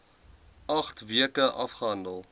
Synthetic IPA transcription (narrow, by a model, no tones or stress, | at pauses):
ɐχtviəkəʔɐfχəɦɐndəlˠ